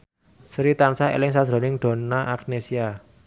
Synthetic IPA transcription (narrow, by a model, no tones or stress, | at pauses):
sɾit̪ansaḛlɪŋs̬ḁʒ̥ɾo̤nɪŋd̪̥o̤naʔaknesia